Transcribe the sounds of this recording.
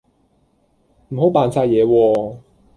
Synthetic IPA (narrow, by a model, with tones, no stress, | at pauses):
m̩˨˩ho˨˥wpaː˨nsaː˧jɛː˨˧wɔː˧